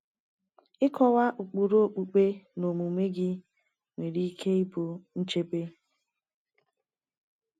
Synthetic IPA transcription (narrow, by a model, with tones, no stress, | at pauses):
ɪ˦kɔ˨wa˦ʔu˨k͡pu˨ɾo˦o˦˨k͡pu˨k͡pe˦no˨mu˨me˦ɡɪ˦ | ŋʷe˨ɾi˦kʰe˦ɪ˦po˨n̩˦t͡ʃe˦pe˦